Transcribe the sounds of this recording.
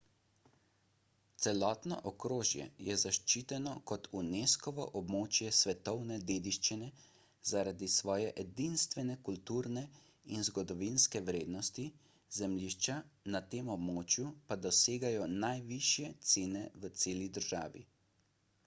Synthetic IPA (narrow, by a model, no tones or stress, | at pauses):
t̪sɛlɔːt̪nɔ̰ʔɔkɾoːʒjɛ̰jɛzaʃt͡ʃiːt̪ɛnɔkɔt̪uneːskɔʋɔ̰ʔɔbmoːt͡ʃjɛsʋɛt̪ɔwnɛd̪eːd̪iʃt͡ʃinɛ | zaɾad̪isʋɔːjɛʔɛd̪inst̪ʋɛnɛkult̪uːɾnɛ | inzɡɔd̪ɔʋinskɛwɾeːd̪nɔst̪i | zɛmliːʃt͡ʃanat̪eːmɔbmoːt͡ʃjupad̪ɔseːɡajɔnajʋiʃjɛt̪seːnɛʋət̪seːlid̪əɾʒaːʋḭ